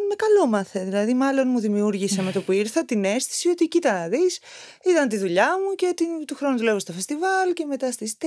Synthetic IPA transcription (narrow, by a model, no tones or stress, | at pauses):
me̞kɐlomɐθeðilɐðimɐlo̞nmuðimiuɾʝiseme̞t̪o̞puiɾθɐt̪ine̞sθi̥sio̞t̪ieciit̪ɐnːɐðis | it̪ɐnt̪iðuʎɐmuce̞t̪it̪uxɾo̞nuðule̞vost̪ofe̞st̪ivɐlce̞me̞t̪ɐst̪ist̪